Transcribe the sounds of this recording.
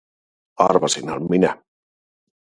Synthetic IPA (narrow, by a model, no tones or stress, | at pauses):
aɾβasinalmina